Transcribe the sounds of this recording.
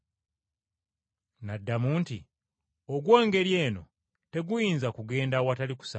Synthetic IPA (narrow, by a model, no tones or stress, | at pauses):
nadːamuːnti | oɡwoːŋɡe̞ɾje̞ːno̞ | te̞ɡujiːnzakuɡe̞ːndawataliku̥sa̰